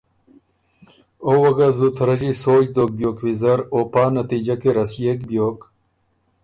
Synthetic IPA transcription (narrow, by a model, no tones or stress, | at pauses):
oːwɐɡazut̪ʰɾɐd͡ʑisoːd͡ʑd̪oːk̚bjoːkwizɐɾoːpaːnɐt̪iːd͡ʑɐkeɾɐsjeːkbjoːk